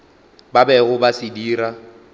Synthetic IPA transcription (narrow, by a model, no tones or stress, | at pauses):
babɛɣʊbasɪdiːɾa